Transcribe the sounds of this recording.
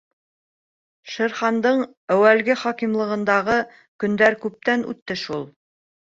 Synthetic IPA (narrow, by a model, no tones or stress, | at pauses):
ʃɘ̆ɾχɑnd̪ɤɴ | æwælɡɘχɑkimlˠɤ̆ʁɤ̆nd̪ɑʁɤ | kɵ̆nd̪æɾkʉp̚t̪ænʉ̰t̪ːɘʃulˠ